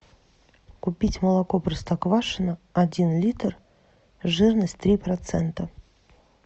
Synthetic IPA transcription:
kʊpʲitʲməlˠɐkoprəst̪akvaʂɨnəɐdʲinlʲit̪r | ʐɨrnəsʲtʲt̪ɾʲipɾɐt̪sɛnt̪ə

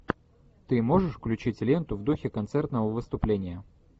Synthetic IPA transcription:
t̪ɨmo̞ʐɨʂfklʲʉt͡ɕitʲlʲent̪ʊvd̪uxʲɪkɐnt̪sɛrt̪nəvəvɨst̪ʊplʲenʲɪjə

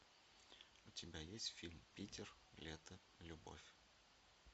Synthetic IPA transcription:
ʊtʲɪbʲajesʲtʲfʲilʲmpʲitʲɪr | lʲet̪ə | lʲʊbo̰fʲ

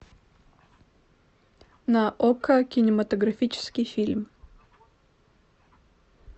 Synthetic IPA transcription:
nɐʔɔkʰɐkʲɪnʲɪmɐt̪əɡɾɐfʲit͡ʃɪ̥skʲijfʲilʲm

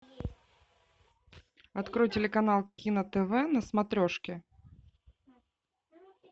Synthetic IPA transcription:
ɐt̪kɾojtʲɪlʲɪkɐnalˠkʲinət̪ɛvɛnəsmɐt̪ɾʲoʂkʲɪ

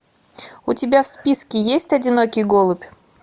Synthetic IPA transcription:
ʊtʲɪbʲafspʲiskʲɪjesʲtʲɐdʲɪnokʲɪjɡolˠʊpʲ

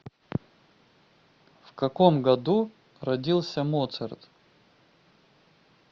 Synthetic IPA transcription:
fkɐkomɡɐd̪u | rɐdʲilˠsʲəmot̪sərt̪

